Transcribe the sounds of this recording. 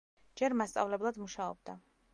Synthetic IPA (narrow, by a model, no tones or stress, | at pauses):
d͡ʒɛɾmast̪sʼa̰vlɛblˠad̪muʃaɔ̰b̚d̪a